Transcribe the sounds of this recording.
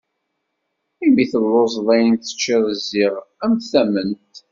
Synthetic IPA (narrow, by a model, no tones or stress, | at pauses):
imiθəlːoz̬ˤðˤæjənt̪ːə̥t͡ʃːɪðziʁæmθæmənt̪